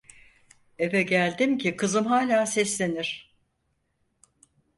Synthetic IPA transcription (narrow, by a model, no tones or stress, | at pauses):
evɛɟælʲd̪imcʰikʰɯzɯmɦaːlʲaːsɛslʲe̞niɾ̝̥